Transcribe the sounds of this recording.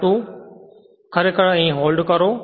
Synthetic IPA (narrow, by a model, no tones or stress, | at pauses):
ʈuː | kʰɐɾekəɽɛ̃ːɦoːlɖkɐɾoː